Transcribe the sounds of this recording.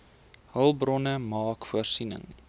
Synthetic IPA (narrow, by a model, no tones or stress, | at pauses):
həlˠbrɔnəmɑːkfuərsinə̰ŋ